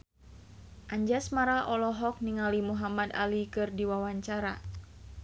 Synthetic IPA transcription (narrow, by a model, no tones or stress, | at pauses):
ʔaɲd͡ʒasmaɾaʔɔlɔɦɔk̚niŋalimuɦamad̪a̰likɨrdiwawaɲt͡ʃaɾa